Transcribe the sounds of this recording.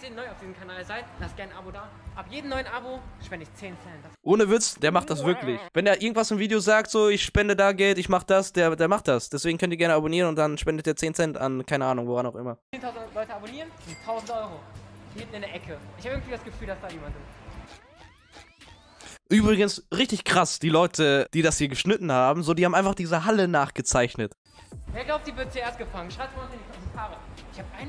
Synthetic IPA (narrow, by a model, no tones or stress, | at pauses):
zeːnːɔɪaʊfd̥iːzəmkʰanaːlzaɪtd̥aːɪst̚ɡ̥aɪnʔabodaː | ʔabjeːdm̩nɔʏənʔaboʃpɛndəɪçt͡seːnsɛntd̥asʔoːnəvɪt͡sd̥eːɐmaχt̚d̥as̬v̥ɪɐklɪçvɛndeːɐʔɪɐɡŋ̩tv̥asɪmviːdejozaːk̚tz̥oːɪçʃpɛndədaːɡɛltɪçmaχəd̥asd̥eːɐdeːɐmaχt̚d̥asd̥ɛsv̥eːɡŋ̩kœntiːɐɡɛɐnəaboniːʁnʊnt̚d̥anʃpɛndətd̥iːɐt͡seːnsɛnta̰nkʰaɪnəʔaːnʊŋvoʁanaʊxʔɪ̰mɐeːntʰaʊzn̩tlɔʏtəaboniːʁəntʰaʊzn̩tʔɔʏʁo̥hɪntn̩ɪndeɛɐʔɛkʰəʔɪçhaːbəɪɡŋ̩tv̥iːdasɡ̥əfyːldasd̥aːjeːmandɪ | ʔyːbʁɪɡənsʁɪçtɪçkʁ̥asd̥iːlɔʏtʰəd̥iːdashiːɐɡəʃnɪtn̩haːbm̩zoːdiːaːbm̩aɪnfaχd̥iːzəɦalənaːχɡ̥ət͡saɪçnət | veːɐɡlaʊp̚tz̥iːvɪɐdt͡sueːɐstɡ̥əfaŋənʃaɪp̚vnɪndikʰɔstʰaːʁəɪçhaːbəʔaɪn